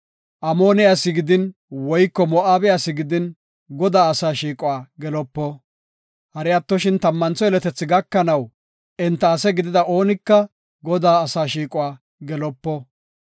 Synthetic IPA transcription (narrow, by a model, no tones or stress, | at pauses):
ʔɐmo̞ːnɪjasːɪɡɪd̪ɪnwɔjkːɔmɔʔaːbɛjaːsɪɡɪd̪ɪn | ɡɔd̪aːɐsaːʃiːkʼʊwaːɡɛlɔpːɔ | hɐɾɪjɐt̪ːɔʃɪnt̪ɐmːɐnt͡sɔɛlɛt̪ɛt͡sːɪɡɐkːɐnɐw | ʔɛnt̪ːɐːsɛɡɪd̪ɪd̪ɐʔo̞ːnɪkːɐ | ɡɔd̪aːɐsaːʃiːkʼʊwaː | ɡɛlɔpːɔ